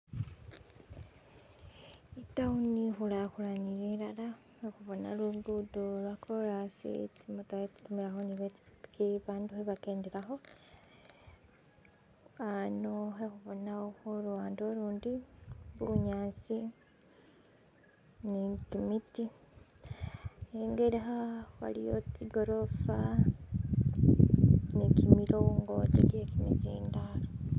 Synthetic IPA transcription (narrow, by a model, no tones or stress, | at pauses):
itaunixulaxulanijelala | exuβonaluɡudulwakʰolasḭtimutaeti̥tumiɾaxoniβe̥ikiβaːnduheβakeːndiɾaxo̞ | anoxexuβonaoxoɾuwaːndoɾuːndiβuuɲaːt͡si | nikimiti | eŋɡeɾeɦawa̰lijot͡siɡo̞ɾo̞fa | nikimiɾowuŋɡotḛcekinḛzḭːndaɾo